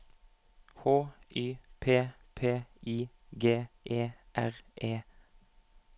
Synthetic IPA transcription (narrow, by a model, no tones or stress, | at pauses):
hoːʔyːpʰeː | pʰeːiː | ɡeːʔeːʔæʁʔeː